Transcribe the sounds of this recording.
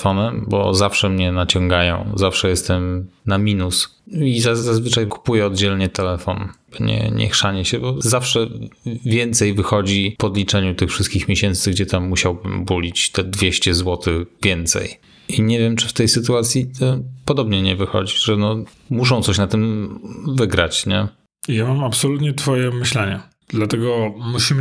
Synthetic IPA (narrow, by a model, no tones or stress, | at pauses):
fɔnɛmbɔ̰zafʂɛmɲɛnat͡ɕɔ̃ŋɡajɔ̰̃w̃zafʂɛjɛst̪ɛmnamʲinusizazazvɘt͡ʂajku̥pujɛɔd̪̚d͡ʑɛlɲɛt̪ɛlɛfɔnb̥ɔɲɛ̰ɲɛ̰xʂaɲɛɕɛbɔzafʂɛvʲjɛnt̪sɛjvɘxɔd͡ʑipɔd̪lʲit͡ʂɛɲut̪ɘxfʂɘst̪kʲixmʲjeɕɛnt̪sɘɡd͡ʑɛt̪amːuɕawbɘmbulʲit͡ɕt̪ɛd̪vʲjeɕt͡ɕɛzwɔt̪ɘvʲjɛnt̪sɛ̰j | iɲɛvʲjɛmt͡ʂɘft̪ɛjsɘt̪uat̪sʲjiɔpɔd̪ɔbɲɛɲɛvɘxɔ̰d͡ʑiʐɛnɔmuʂɔ̃w̃t̪sɔɕnat̪ɘmvɘɡɾa̰t͡ɕɲɛ | jamamapsɔlut̪ɲɛt̪fɔjɛmɘɕlɛɲɛ | d̪lat̪ɛɡɔmuɕimɘ